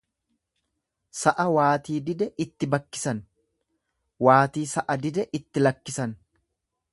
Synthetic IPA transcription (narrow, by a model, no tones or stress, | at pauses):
sɐʔɐwaːt̪iːd̪ɪd̪ɛʔɪt̪ːɪbɐkːɪ̥sɐn | waːt̪iːsɐʔɐd̪ɪd̪ɛʔɪt̪ːɪlɐkːɪsɐn